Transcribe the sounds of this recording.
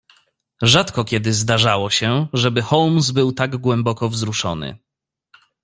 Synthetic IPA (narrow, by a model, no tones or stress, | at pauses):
ʐat̪kɔkʲɛd̪ɘzd̪aʐawɔɕɛʐɛbɘxɔwmsbɘwt̪aɡɡwɛmbɔkɔvzɾuʂɔ̰nɘ̰